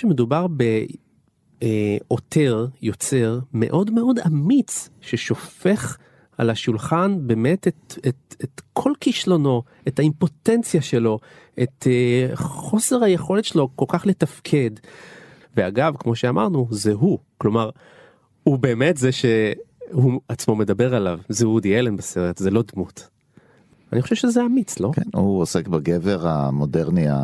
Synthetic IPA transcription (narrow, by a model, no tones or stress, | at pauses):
eme̞dubaʁbe̞ | ʔo̞tʰe̞ʁjo̞t͡se̞ʁme̞̰ʔo̞dme̞o̞damit͡sʃeʃo̞fe̞χ | alaʃulχanbe̞metetetetkʰo̞lkiʃlo̞no̞ | ethaimpo̞tent͡sjaʃe̞lo̞ | ʔetː | χo̞seʁhajeχo̞le̞tʃelo̞ko̞lkaχle̞tafkʰe̞d | veaɡavkmo̞ʃeamʔa̰ʁnuzeɦuklo̞maʁ | hube̞ːmetzeʃe̞huat͡smo̞me̞dabe̞ʁalavzeudielenbeseʁetzelo̞dmut | a̰nixχo̞ʃevʃezeamit͡slo̞kḛnhuosekbaɡeveʁa̰modeʁnia̰